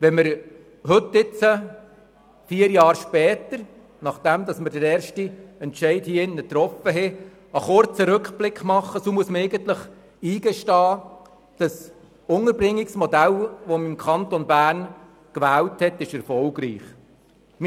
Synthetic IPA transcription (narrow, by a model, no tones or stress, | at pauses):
ʋɛnməɾ | hɵtːɪt͡sə | fiːəɾjɑːɾʃpɛːtəɾ | nɑχd̥æmd̪ɑsməɾd̥əɾɛːɾʃtiɛntʃɛɪthiːɪnːət̪ɾɔfəɦɛ | əχʊɾt͡səɾɵkχb̥lɪkχmɑχːəsomuəsməɛɪɡənt̪ləχ | iːɡ̥ɛʃtɑː | d̥ɑs | ʊŋəɾbɾɪŋːɪksmɔd̪ælʋɔmimkʰɑntɔnbæːɾn | kʋæːlthɛtɪʃɛɾfɔlɡɾḭːχ | m